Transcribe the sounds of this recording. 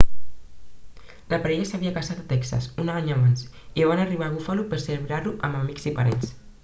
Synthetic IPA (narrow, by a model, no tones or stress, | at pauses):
ləpaɾɛʎasaβiakasat̪at̪ɛksa̰sunaɲaβans | iβanariβaɣufalupeɾseleβɾaɾuʔamamikzipaɾɛns